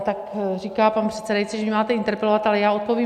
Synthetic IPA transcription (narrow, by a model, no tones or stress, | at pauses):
t̪akriːkaːpanpr̥ɛt̪sɛdajt͡siʒɛmɪmaːt̪ɛʔint̪ɛɾpɛlovat̪alɛjaːot̪̚po̞vjiː